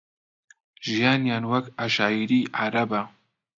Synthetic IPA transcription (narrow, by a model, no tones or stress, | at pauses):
ʒijaːnjaːnwɐkaʃaːiɾiːʕaɾaba